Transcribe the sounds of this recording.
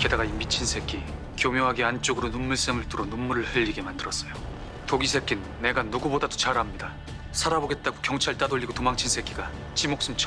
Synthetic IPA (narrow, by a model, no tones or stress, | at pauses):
ke̞daɡaimit͡ɕʰinsʰe̞k͈ʰi | kjomjoɦaɡeant͡ɕ͈oɡɯɾonunːuɭs͈eŋɯɭtɯɾonummuɾɯɭhɯʎːiɡe̞mandɯɾʌs͈ʌjo | toɡisʰe̞k͈inːe̞ɡanuɡubodadot͡ɕaɾamɲida | sʰaɾaboɡe̞t̚t͈aɡokjʌŋt͡ɕʰaɭt͈adoʎːiɡotomaŋt͡ɕʰinsʰe̞k͈ʰiɡa | t͡ɕimok̚s͈umt͡ɕʰʌ